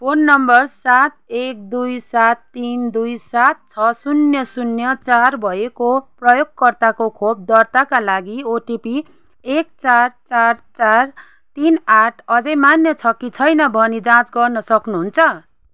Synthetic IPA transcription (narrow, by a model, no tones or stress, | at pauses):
pʰonːʌmbʌrsat̪̚ek̚d̪ujsat̪ːind̪ujsat̪̚t͡sʰʌsunjʌsunjʌt͡sarbʱʌekoprʌjoɡkʌrt̪akokʰob̚d̪ʌrt̪akalaɡioʈipi | ek̚t͡sart͡sart͡sar | t̪inaʈʰʌd͡zʌjmanjʌt͡sʰʌkit͡sʰʌjnʌbʱʌnid͡zãt͡sɡʌrnʌsʌknuɦunt͡sʰʌ